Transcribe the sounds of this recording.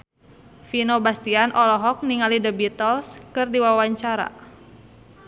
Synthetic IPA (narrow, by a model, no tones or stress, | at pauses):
finobast̪ianʔɔlɔɦɔk̚niŋalidəbit̪ɔlskɨrdiwawaɲt͡ʃaɾa̰